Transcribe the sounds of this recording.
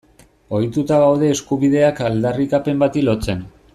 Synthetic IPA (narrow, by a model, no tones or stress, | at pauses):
o̞jt̪ut̪aɣawð̞e̞ːskuβið̞e̞akald̪arikape̞mbat̪ilo̞t͡se̞n